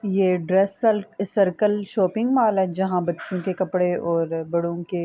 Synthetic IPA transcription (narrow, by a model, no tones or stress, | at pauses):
jeɖɾɛːslsɐɾkəlʃɔːpɪ̃ŋɡmaːlɦɛd͡ʒɐɦãbɐtːt͡ʃʃõkekɐpɽeʔɔːɾbɐɽõke